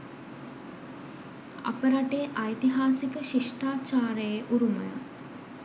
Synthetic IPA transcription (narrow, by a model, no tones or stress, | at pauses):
a̰pəɾaʈeʔajt̪iɦaːsikəʃiʂʈaːt͡ʃaːɾəjeʔuɾuməjə̰